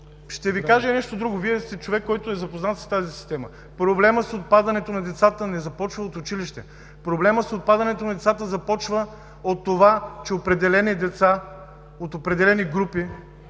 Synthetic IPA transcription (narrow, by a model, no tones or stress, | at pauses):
ʃt̪ɛvikaʒɛnɛʃt̪od̪ɾuɡoviɛst̪ɛt͡ʃovɛkːɔjt̪ʊɛzɐpoznat̪st̪azisi̥st̪ɛmə | pɾoblɛməsot̪̚pad̪ɐnɛt̪onɐd̪ɛt̪sat̪ənɛzɐpɔt͡ʃvəot̪ʊt͡ʃiliʃt̪ɛ | pɾoblɛməsot̪̚pad̪ɐnɛt̪onɐd̪ɛt̪sat̪əzɐpɔt͡ʃvə | ot̪ːovat͡ʃɛopɾɛd̪ɛlɛnid̪ɛt̪sa | ot̪opɾɛd̪ɛlɛniɡɾupi